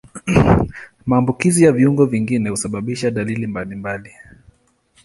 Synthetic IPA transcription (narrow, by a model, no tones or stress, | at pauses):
maːmbukizijaviuŋɡɔviŋɡinɛhusaɓaɓiʃaɗalilimbalimbali